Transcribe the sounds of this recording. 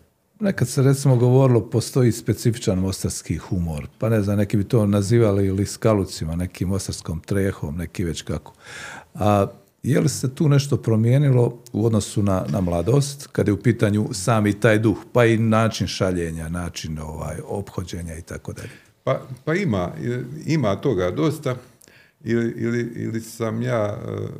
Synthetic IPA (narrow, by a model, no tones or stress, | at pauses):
ne̞kad̪seɾe̞t̪simo̞ɡo̞ʋo̞ɾilˠo̞po̞st̪o̞iːspe̞t̪sifi̥t͡ʃanmo̞st̪aɾskixumoɾpane̞znamne̞kiːbit̪o̞ːnaziːʋaliliskalut̪simane̞kiːmːo̞st̪aɾsko̞ːmt̪ɾeːxo̞̰mne̞kiʋe̞t͡ɕkako̥a | jḛlise̞t̪uːne̞ʃt̪o̞pɾo̞mjeːnilo̞uo̞d̪no̞sunanamlˠad̪o̞ːst̪kad̪jeupiːt̪aɲusaːmit̪aːjd̪uxpainaːt͡ʃinʃaʎe̞ːɲanaːt͡ʃino̞ʋa̰ːjo̞pxod͡ʑe̞ːɲait̪a̰ko̞d̪a̰ʎe | papaimaḭlimaːt̪o̞ɡad̪ost̪a | iliʔiliḭlisamjaː